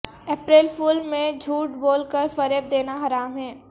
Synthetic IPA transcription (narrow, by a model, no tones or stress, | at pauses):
ɛːpɾeːlfuːlmẽd͡ʒʱuːʈboːlkəɾfɐɾeb̚d̪eːnaɦɐɾaːmɦɛː